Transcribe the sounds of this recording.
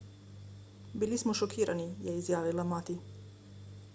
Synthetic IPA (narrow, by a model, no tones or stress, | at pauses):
bilismɔʃɔkʰiːɾʔanijɛizjaːʋilamaːt̪i